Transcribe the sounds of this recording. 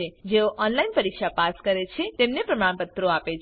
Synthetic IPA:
ed͡ʒeoʔɔnlainpəɾikʃapaskəɾet͡ʃʰet̪emnepɾəmaɽ̃pət̪ɾoapet͡ʃʰ

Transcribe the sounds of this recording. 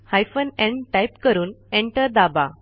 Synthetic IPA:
hajfənɛ̃ɳʈajpkəɾuːnẽɳʈəɾd̪aba̰

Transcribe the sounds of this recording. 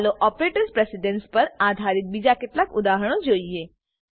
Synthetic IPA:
loʔɔpɾeʈəɾspɾesiɖənspəɾad̪ʱaɾit̪̚bid͡ʒaket̪lakud̪aɦəɽ̃od͡ʒoie

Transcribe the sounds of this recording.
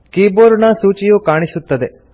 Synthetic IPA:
kiːboːɾunɐsuːt͡ʃijukaːɳ̃isut̪ːɐd̪e

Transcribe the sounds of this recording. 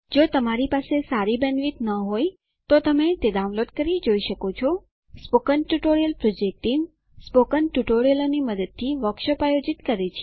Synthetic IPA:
d͡ʒot̪əmaɾipasesaɾibənʋit̪nəɦoj | t̪ot̪əmet̪eɖaũnloɖkəɾid͡ʒoiʃəkot͡ʃʰɔ | spokənʈuʈoɾijəlpɾod͡ʒek̚ʈim | spokənʈuʈoɾijəloniməd̪əd̪̚t̪ʰiʋəkʃəpajod͡ʒit̪kəɾet͡ʃʰe

